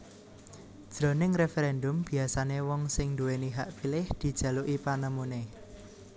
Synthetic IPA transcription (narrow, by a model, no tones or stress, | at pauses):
d̥ʒ̥ɾo̤nɪŋrefɛɾɛndʊmb̥i̤asanewɔŋsɪŋnd̪uweniɦaʔpilɪhd̪̥i̤d̥ʒ̥ä̤luʔipanəmune